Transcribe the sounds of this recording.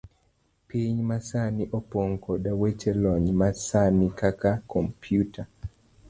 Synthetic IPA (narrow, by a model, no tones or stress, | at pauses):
piɲmasaniʔɔpoŋkʰodawet͡ʃelɔɲmasanikakakʰɔmpjutʰa